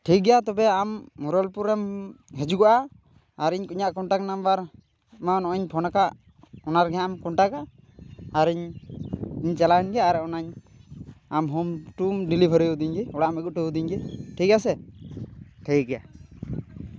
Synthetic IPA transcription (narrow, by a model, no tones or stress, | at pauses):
ʈʰik̚ɡɛjat̪ɔbɛamːɔɾəlpuɾɛmɦɛd͡ʒuɡɔʔa | aɾiɲkuɲaʔkɔɳʈaknambaɾ | manɔʔɔɲpʰɔnakaʔ | ɔnaɾɡɛamkɔɳʈakaː | ɾiɲ | iɲt͡ʃɛlaɛnɡɛaɾɛɔnaɲ | amɦɔmʈumɖilibʱəɾəjud̪iɲɡɛɔɽaʔmɛɡuʔ̚ʈujud̪iɲɡɛʈʰik̚asɛ | ʈʰiɡɛja